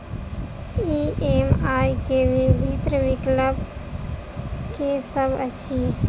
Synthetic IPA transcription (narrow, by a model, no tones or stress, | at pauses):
iemajkeʋibʱit̪ɾəʋikləb | kesəbʱət͡ʃʰi